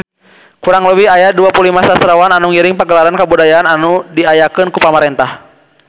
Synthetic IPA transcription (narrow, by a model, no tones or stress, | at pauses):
kuɾaŋləwihajaduapulimasasɾawananuŋiɾiŋpaɡəlaɾankabudajaːnanudiajakɨnkupamaɾɛnt̪ah